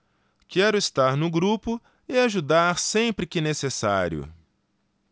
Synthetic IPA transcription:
kɛɾʊist̪aɾnʊɡɾupʊ | ɪaʒud̪aɾsẽpɾɪkɪnesesaɾjʊ̰

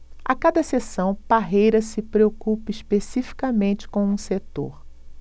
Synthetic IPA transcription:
a̰kad̪ɐsesɐ̃w̃paɦejɾɐsɪpɾeokupɐiʃpesifi̥kɐmẽnt͡ʃɪ̥kõw̃ũset̪o̰ɾ

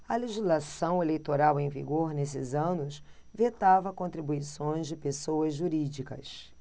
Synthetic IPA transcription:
ɐleʒizlasɐ̃w̃elejt̪oɾawẽj̃vḭɡoɾnesɪzɐ̃nʊs | vet̪avɐkõnt̪ɾibuisõj̃zd͡ʒɪpesoɐzʒuɾid͡ʒikɐ̰s

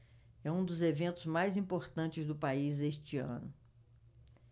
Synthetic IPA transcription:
ɛũd̪ʊzevẽnt̪ʊzmajzĩpoɾt̪ɐ̃nt͡ʃɪzd̪ʊpaizeʃt͡ʃiɐ̰̃nʊ

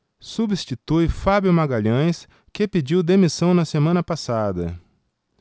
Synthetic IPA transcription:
subist͡ʃit̪ujfabjumaɡaʎɐ̃j̃s | kepid͡ʒiwd̪emisɐ̃w̃nɐsemɐ̃nɐpasad̪ɐ̰

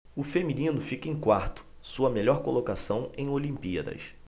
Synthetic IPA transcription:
ʊfemĩnĩnʊfikẽj̃kwaɾt̪ʊ̥ | suɐmeʎɔɾkolokasɐ̃w̃ẽj̃olĩmpiɐd̪ɐ̰s

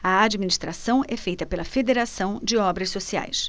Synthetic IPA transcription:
ɐad͡ʒiminiʃt̪ɾasɐ̃w̃ɛfejt̪ɐpelɐfed̪eɾasɐ̃w̃d͡ʒɪɔbɾɐssosia̰js

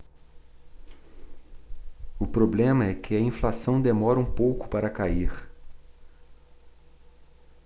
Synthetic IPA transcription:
ʊpɾoblẽmɐɛkʰɪɐĩflasɐ̃w̃d̪emɔɾɐũpowkʊ̥paɾɐkaiχ

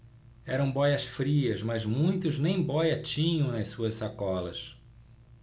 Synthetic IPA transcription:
ɛɾɐ̃w̃bɔjɐsfɾiɐzmɐzmũj̃t̪ʊznẽj̃bɔjɐt͡ʃĩɲɐ̃w̃nɐjsuɐssakɔlɐ̰s

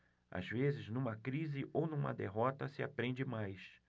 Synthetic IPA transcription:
a̰zvezɪznũmɐkɾizɪʔownũmɐ̰d̪eɦɔt̪ɐsɪa̰pɾẽnd͡ʒɪmajs

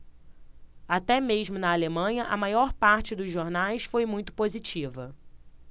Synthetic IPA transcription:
at̪ɛmeʒmʊnɐalemɐ̃ɲɐʔɐmajɔɾpaɾt͡ʃɪd̪ʊzʒoɾnajsfojmũj̃t̪ʊ̥pozit͡ʃivɐ

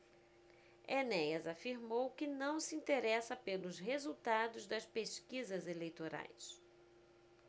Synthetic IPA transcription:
enɛjɐzafiɾmowkɪnɐ̃w̃sɪĩt̪eɾɛsɐpelʊzɦezut̪ad̪ʊzd̪ɐspeʃkizɐzelejt̪oɾa̰js

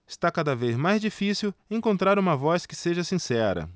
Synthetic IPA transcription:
ɪst̪akad̪ɐvezmajzd͡ʒifisiwẽŋkõnt̪ɾaɾũmɐvɔskɪseʒɐsĩsɛɾɐ̰

